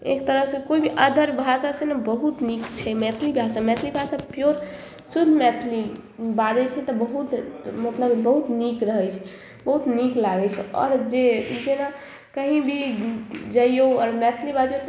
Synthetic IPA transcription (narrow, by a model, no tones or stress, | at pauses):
ḛkt̪əɾəɦsẽkoibʱiʔəd̪ʱəɾbʱasasenebəɦut̪nikt͡ʃʰɛmɛt̪ʰlibʱasamɛt̪ʰlibʱasapjoɾ | sud̪ʱmɛt̪ʰlibad̪ɛt͡ʃʰɛt̪ɔbəɦut̪mot̪namebəɦut̪nikɾəɦəjt͡ʃʰɛ̥ | bəɦut̪niklaɡɛt͡ʃʰɛɔ̰ːɾd͡ʒed͡ʒena | kəɦĩbʱi | d͡ʒəjjoɔːɾmɛt̪ʰlibad̪jo